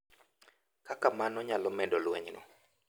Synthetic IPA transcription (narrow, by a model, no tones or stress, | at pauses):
kakamanɔɲalɔmɛdɔlwɛɲnɔ̰